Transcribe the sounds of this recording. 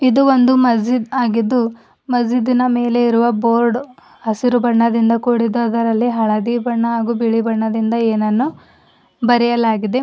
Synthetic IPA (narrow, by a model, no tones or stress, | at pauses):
id̪uond̪umɐd͡ʒid̪aːɡid̪ːu | mɐd͡ʒid̪inɐme̞ːle̞iɾuʋɐboːɾɖ | hɐsiɾubɐɳːɐd̪ind̪ɐkuːɽid̪ɐːd̪ɐɾɐlːiɦɐɭɐd̪ibɐɳːɐɦaːɡubiɭibɐɳːɐd̪ind̪ɐeːnɐnːu | bɐɾɛjɐlaːɡid̪e̞